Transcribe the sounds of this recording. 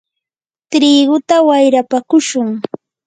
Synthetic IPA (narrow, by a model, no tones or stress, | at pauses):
t̪ɾɪːɢʊt̪awajɾapakʊʃʊŋ